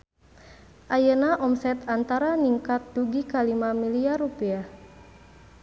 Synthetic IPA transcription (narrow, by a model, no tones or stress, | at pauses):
ʔajənaʔɔmsɛt̪ant̪aɾaniŋkat̪̚duɡikalimamiliarupiah